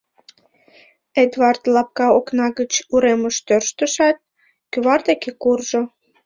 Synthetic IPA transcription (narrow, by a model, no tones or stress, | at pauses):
ed̪βɑrt̪lɑp̚kɑoknɑɣət͡ɕuɾeməʃt̪ørʃt̪əʃɑt̪̚ | kyβɑrd̪ekekurʒo